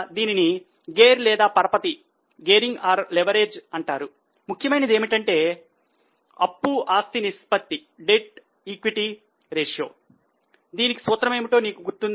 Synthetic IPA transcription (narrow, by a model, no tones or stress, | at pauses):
d̪iːnini | ɡeːɾlɛːd̪aːpɐɾɐpɐt̪i | ɡeːɾiŋɡaːɾleʋɐɾe̞ːd͡ʒɐɳʈaːɾu | mukʰjɐmɐjnɐd̪eːmiʈɐɳʈe̞ː | ɐ̰pːuʔaːst̪inispɐt̪ːi | ɖeʈ̚ | iːkʋiʈi | ɾeːʂjo̞̰ː | d̪iːniki̥sʋɐːt̪ːɾɐme̞ːmiʈo̞ːniːkuɡuɾt̪un